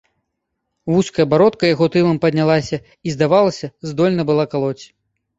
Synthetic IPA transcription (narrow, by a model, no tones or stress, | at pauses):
vuskɐjɐbaɾɔt̪kɐjaɣɔt̪ɨlˠɐmpɐd̪ʲnʲalˠasʲɐ | izd̪avalˠɐsʲɐzd̪ɔlʲnɐbɨlˠakalˠɔt͡sʲ